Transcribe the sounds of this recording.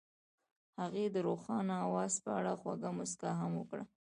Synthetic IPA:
haɣed̪əɾoxɑnaawɑzpəaɽaxwa̰ɡamʊskaɦamwəkɽa̰

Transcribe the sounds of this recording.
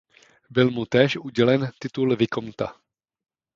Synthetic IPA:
bɪlmut̪ɛːʃuɟɛlɛnt̪ɪt̪ulvɪkomt̪a̰

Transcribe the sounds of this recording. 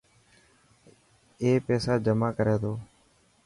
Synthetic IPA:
eːpeːsaːd͡ʒəmaːkəɾeːt̪oː

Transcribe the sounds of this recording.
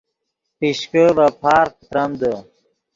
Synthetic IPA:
piɕkəbɐpʰaːɾk̚t̪ɾɐmd̪ə

